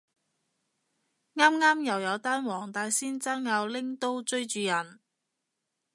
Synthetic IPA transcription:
ŋaː˥mŋaː˥mjɐ˨˩wjɐ˨˧wt̪aː˥nwɔː˨˩ŋt̪aː˧jsiː˥nt͡saː˥ŋjɐ˨˧wlɪ˥ŋt̪o˥wt͡ʃɵ˥ɥt͡ʃyː˨˧jɐ˨˩n

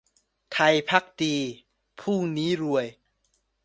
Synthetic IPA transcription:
t̪ʰa˧jpʰa˦˥k̚d̪iː˧ | pʰuː˥˩niː˦˥ɾu˧əj

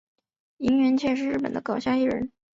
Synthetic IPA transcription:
i˧˥ŋɥɛ˧˥nt͡ɕʰjɛ˥˧ʂɻ̩˥˧ɻ̩˥˩pə̰˨˩nd̪ə˦kɑ˨˩ʊɕja˥˧i˥˩ɻə̰˧˥n

